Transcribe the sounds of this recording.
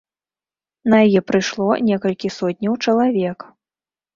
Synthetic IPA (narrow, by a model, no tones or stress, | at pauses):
nɐjajɛpɾɨjʂlˠɔnʲɛkɐlʲkʲisɔtʲnʲɐwt͡ʂɐlˠavʲɛk